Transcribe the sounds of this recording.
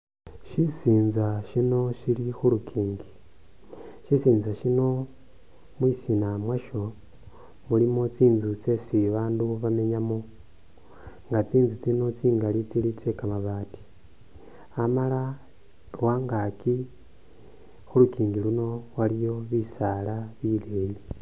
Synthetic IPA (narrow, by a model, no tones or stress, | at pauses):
ʃisiːnzaʃino̞ʃilixulukʰiːŋɡi | ʃisiːnzaʃino̞ | mwisinamwaʃo̞ | mulimot͡siːnzut͡se̞siβaːnduβame̞ɲamo | ŋɡat͡siːnzut͡sino̞t͡siːŋɡalit͡silit͡sekamaβaːti̥ | amala | lwaːŋɡaki | xulukiːŋɡiluno̞walijo̞βisalaβiːleːji